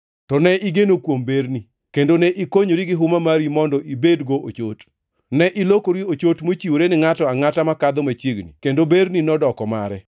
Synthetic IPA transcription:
tɔnɛʔiɡenokwombeɾni | kendonɛʔikoɲoɾiɡɪɦʊmamaɾimɔndɔʔibedɡoʔo̰t͡ʃot | nɛʔɪlokoɾiot͡ʃotmot͡ʃiwoɾenɪŋatɔaŋatamakad̪ɔmat͡ʃiɡnḭkendobeɾninɔdɔkɔma̰ɾɛ

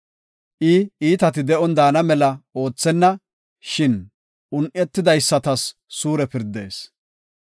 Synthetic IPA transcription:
ʔɪiːt̪ɐt̪ɪd̪ɛʔɔnd̪aːnɐmɛlɐo̞ːt͡sːɛnːɐ | ʃɪn | ʔʊnʔʲɛt̪ːɪd̪ɐjsːɐt̪ɐsː | uːɾɛpɪɾd̪e̞̰ːs

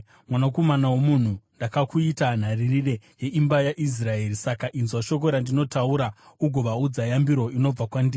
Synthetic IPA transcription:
mwanako̞manawomun̤undakakuitan̤aririre̞je̞ʔimbajaʔis̬rae̞ːɾisakaʔinzwaʃo̞k̬o̞ɾandino̞tauɾauɡʱo̞ʋaud͡zajambiɾo̞ino̞b͡vakwandiː

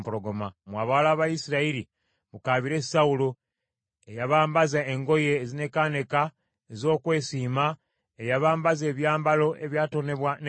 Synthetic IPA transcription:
puɾo̞ɡo̞mamwaːβalaβajisiɾaiɾi | βukaːβiɾe̞saulo | ejaβaːmbazaeŋɡo̞je̞ːzine̞kane̞ka | ezo̞ːkwe̞ːsiːma | ejaβaːmbaze̞ːβjaːmbalo̞ʔe̞βjaːto̞ne̞βwan

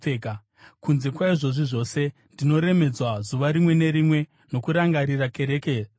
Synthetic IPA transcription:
eːka | kunze̞kwaiʐo̞ʐiʐo̞se̞ndino̞ɾe̞me̞d͡zwazuʋaɾimwe̞ne̞ɾimwe̞ | no̞kuɾaŋɡaɾirake̞ɾe̞ːke

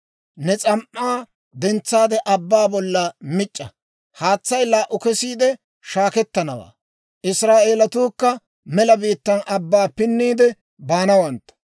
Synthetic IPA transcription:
nɛt͡sʼɐmʔːaː | d̪ɛnt͡sːaːd̪ɛʔɐbːaːbɔlːɐmɪt͡ʃʼːɐ | haːt͡sːɐjlaːʔʊkɛsiːd̪ɛ | ʃaːkɛt̪ːɐnɐwa̰ː | ʔɪsɾaːʔeːlɐt̪uːkːɐ | mɛlɐbiːt̪ːɐnɐbːaːpɪnːiːd̪ɛ | baːnɐwɐnt̪ːɐ̥

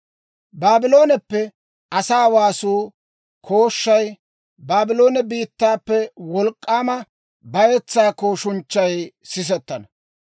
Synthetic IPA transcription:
baːbɪlo̞ːnɛpːɛ | ɐsaːwaːsuː | kʰo̞ːʃːɐj | baːbɪlo̞ːnɛbiːt̪ːaːpːɛwɔlkʼːaːmɐ | bɐjɛt͡sːaːkoːʃʊnt͡ʃːɐjsɪs̬ɛt̪ːɐnɐ

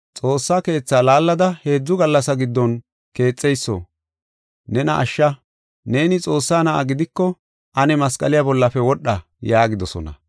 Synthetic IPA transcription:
t͡sʼo̞ːsːaːke̞ːt͡sːaːlaːlːɐd̪ɐhe̞ːd͡zːʊɡɐlːɐsɐɡɪd̪ːɔn | ke̞ːt͡sʼːɛjsːɔ̰ | nɛnɐʔːʃːɐ | ne̞ːnɪt͡sʼo̞ːsːaːnɐʔɐ̰ɡɪd̪ɪkːɔ | ʔɐnɛmɐskʼɐlɪjabɔlːɐfɛwɔɗːɐ | jaːɡɪd̪ɔsɔ̰nɐ̰

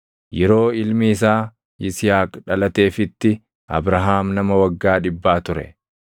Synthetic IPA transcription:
jɛɾo̞ːɪlmiɪs̬aː | ɪsɪjaːkᶑɐlɐt̪e̞ːfɪt̪ːɪ | ɐ̰bɾɐɦaːmnɐmɐwɐɡːaːᶑɪbːaːt̪ʊɾɛ̰

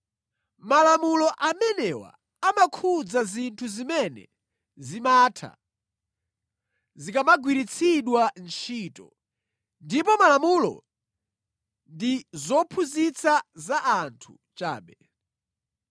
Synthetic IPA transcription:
malamulɔʔamɛnɛwa̰ | amakʰud͡zazintʰuzimɛnɛ̰ | zimatʰa̰ | zikamaɡwiɾit͡sʰiɗwant͡ʃʰiːtɔ̰ | ndipɔmalamulɔ̰ | ndizɔpʰuzit͡sʰazaʔːntʰu | t͡ʃa̰ːɓɛ

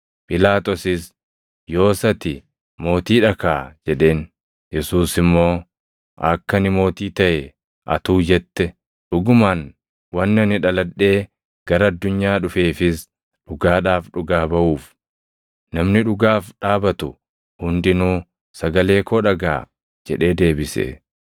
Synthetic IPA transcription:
pʼɪlaːt̪ɔsɪs | jo̞ːsɐt̪ɪ | mo̞ːt̪iːᶑɐkaːd͡ʒɛᶑe̞ːn | jɛsuːsɪmːo̞ː | ʔɐkːɐnɪmo̞ːt̪iːt̪ɐʔɛ | ʔɐ̰t̪uːd͡ʒɛt̪ːɛ | ᶑʊɡʊmaːn | wɐnːɪɐnɪᶑɐlɐᶑːe̞ː | ɡ̥ɐɾɐːd̪ːʊɲːaːᶑʊfe̞ːfɪs | ᶑʊɡaːᶑaːfᶑʊɡaːbɐʔuːf | nɐmnɪᶑʊɡaːfᶑaːbɐt̪ʊ | hʊnd̪ɪnuː | sɐɡɐle̞ːkʰoːᶑɐɡa̰ː | d͡ʒɛᶑe̞ːd̪e̞ːbɪsḛː

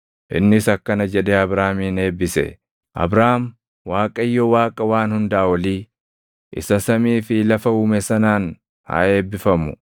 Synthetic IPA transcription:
ʔɪ̰nːɪsɐkːɐnɐd͡ʒɛd̪eːɐbɾaːmiːne̞ːbːɪsɛ̰ | ʔɐ̰bɾaːm | waːkʼɐɪjːɔwaːkʼɐwaːnhʊnd̪aːwɐliː | ʔɪ̰sɐsɐmiːfɪlɐfɐuːmɛsɐnaːn | ha̰ːe̞ːbːɪfɐmʊ

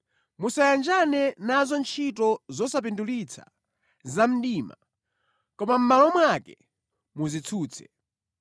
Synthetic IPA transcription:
musajand͡ʒanɛnazɔnt͡ʃʰit̬ɔzɔsap̬indulit͡sʰa̰ | zam̩ɗiːma̰ | kɔmam̩malɔmwakɛ | muzit͡sʰuːt͡sʰɛ̥̰

